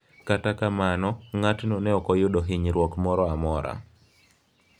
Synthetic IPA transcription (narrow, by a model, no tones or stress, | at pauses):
katakamanɔŋatnɔnɛɔkɔjʊdɔɦiɲɾwɔkmɔɾɔamɔɾa̰